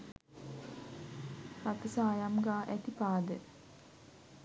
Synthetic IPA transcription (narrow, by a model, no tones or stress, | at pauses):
rat̪əsaːjamɡaːʔæt̪ipaːd̪ə